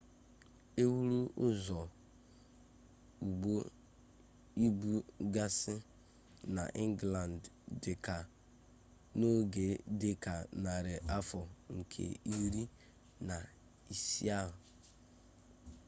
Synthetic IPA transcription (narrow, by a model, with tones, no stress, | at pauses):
e˦wu˦ɾu˦ʔʊ˦zɔ˨ | u˨ɡ͡bo˦ | i˦bu˦ɡa˦sɪ˦ | na̰˨ʔɪ˦ŋ˦ɡla˨nd | dɪ˨ka˨ | no˦ɡe˨dɪ˦ka˨na˨ɾɪ˨ʔa˦fɔ˨ŋ̩˨kʰḛ˨i˦ɾi˦ | na˨ | i˨si˦a˦˨